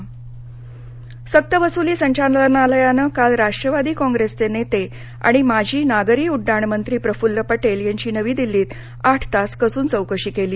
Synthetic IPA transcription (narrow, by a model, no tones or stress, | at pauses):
sək̚t̪əbəsuliːsəɲt͡ɕaɾlənaləjanəkalɾaʂʈɾəʋad̪iːkɔ̃ŋɡɾest̪enet̪e | a̰ɽ̃imad͡ʑʱiːnaɡəɾiːuɖːaɳmənt̪ɾiːpɾəfulːəpəʈeljaɲt͡ɕiːnəʋiːd̪ilːiːt̪ | aʈʰt̪askəsuːnt͡səwkəɕiːkeliː